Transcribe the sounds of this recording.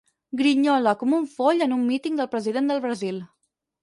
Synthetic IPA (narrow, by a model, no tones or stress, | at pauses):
ɡɾiɲɔləkɔmuɱfoʎənumːit̪iŋd̪əlˠpɾəziðend̪əlˠβɾəzilˠ